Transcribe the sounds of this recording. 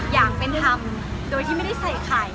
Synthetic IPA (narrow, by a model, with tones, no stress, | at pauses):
jaː˨˩k̚pe˧nt̪ʰa˧˩m | doː˧jt̪ʰiː˥˩m˥˩jda˥˩jsa˧˩kʰaː˨˩j